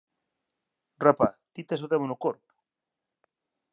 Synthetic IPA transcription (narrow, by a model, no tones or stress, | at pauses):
repat̪it̪es̬oðemonokoɾpu̥